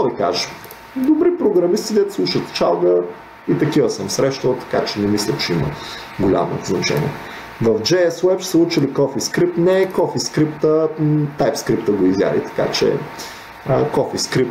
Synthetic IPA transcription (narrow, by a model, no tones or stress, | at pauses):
ɔvika̰ʒəʃ | d̪obɾipɾoɡɾɐmist̪id̪ɛt̪slˠuʃət̪t͡ʃalˠɡə | it̪ɐkivəsəmsɾɛʃt̪əlˠt̪ɐ̥kat͡ʃɛnɛmislʲɐt͡ʃɛimə̰ɡolʲa̰mo̰znɐt͡ʃɛ̰nʲḭɛ̰ | vɐvd͡ʒɛɛswɛpsəut͡ʃilikɔfiskɾip̚t̪nɛkɔfiskɾipt̪ət̪ajpskɾip̚t̪əɡoizja̰lḭt̪ɐ̥ka̰t͡ʃɛ̰ | əkɔfiskɾip̚t̪